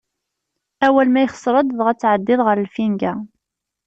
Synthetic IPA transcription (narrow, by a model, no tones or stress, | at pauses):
æwælmæjχə̥sˤɾˤəd̪ðʁæt͡sːʕəd̪ːɪðˤʁəɾəlfinɡæ